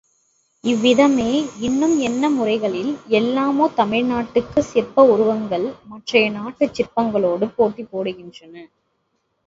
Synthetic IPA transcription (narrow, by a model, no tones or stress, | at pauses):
ɪʋːɪðɐmeːɪnːɯmɛnːɐmʊrɐɪɣɐɭɪlɛlːaːmoːt̪ɐmɪɻnaːʈːɯkːɯsɪrpɐʊɾʊʋɐŋɡɐɭmɐʈrɐjɐnaːʈːɯt͡ʃːɪrpɐŋɡɐɭoːɽɯpoːʈːipːoːɽɯɣɪndrɐnɐ